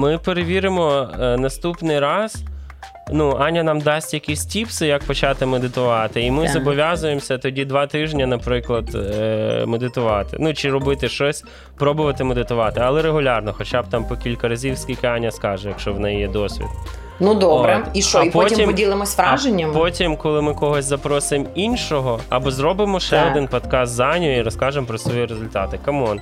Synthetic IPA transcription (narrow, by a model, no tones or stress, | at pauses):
mɪpeɾeʋʲiɾɪmɔnɐst̪upnɪjɾɑz̥ | nuɑnʲjɐnɑmd̪ɑsʲtʲjɐkʲisʲtʲipsɪjɐk̚pɔt͡ʃɑt̪ɪmed̪ɪt̪ʊʋɑt̪ɪimɪzɔbɔʋʲazʊjemsʲɐt̪ɔdʲid̪ʋɑt̪ɪʒnʲɐnɐpɾɪklˠɐd̪ | med̪ɪt̪ʊʋɑt̪ɪ̰nut͡ʃɪɾɔbɪt̪ɪʃt͡ʃɔsʲ | pɾɔbʊʋɐt̪ɪmed̪ɪt̪ʊʋɑt̪ɪɐlˠɛɾeɦʊlʲɑrnɔxɔt͡ʃab̚t̪ɑmpɔkʲilʲkɐɾɐzʲiwsʲkʲikɪɑnʲːɐskɑʒɛjɐkʃt͡ʃɔʋnɛjjɛd̪ɔsʲʋʲḭd̪ | nud̪ɔbɾɛiʃt͡ʃːipɔtʲimʲimdʲilˠɪmɔsʲʋɾaʒenʲːɐmpɔtʲimkɔlˠɪmɪkɔɦɔsʲzɐpɾɔsʊɪeminʲʃɔɦɔɐ̰bɔzɾɔbɪmɔʃɛɔd̪ɪnpɔt̪kɑst̪zɑnʲɔjiɾɔskɑʒempɾɔsʋɔjiɾezʊlʲt̪ɑt̪ɪkɐmɔn